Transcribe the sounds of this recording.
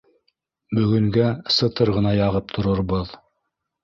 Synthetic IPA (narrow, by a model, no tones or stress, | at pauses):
bɵ̆ɡɵ̆ŋɡæsɤ̆t̪ɤɾʁɤ̆nɑjɑʁɤp̚t̪ʰŏɾɤ̆ɾbɤð